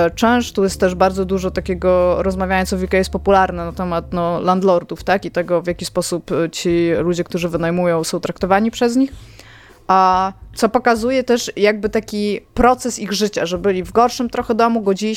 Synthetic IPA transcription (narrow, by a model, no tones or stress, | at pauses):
t͡ʂɛ̃w̃ʂt̪ujɛst̪ːɛʐbaɾd̪ɔd̪uʐɔt̪akʲeɡɔɾɔzmavʲjajɔnt̪sɔvʲikajɛs̚pɔpulaɾnɛnat̪ɛmat̪nɔland̪lɔɾd̪uft̪akit̪ɛɡɔvʲjakʲispɔsupt͡ɕilud͡ʑɛk̚t̪uʐɘvɘnajmujɔ̃w̃sɔ̃w̃t̪ɾakt̪ɔvaɲipʂɛzɲix | at̪sɔpɔkazujɛt̪ɛʂjaɡ̚bɘt̪akʲipɾɔt̪sɛsiɣʐɘt͡ɕaʐɛbɘlʲivɡɔɾʂɘmt̪ɾɔxɛd̪ɔmuɡɔd͡ʑilʲi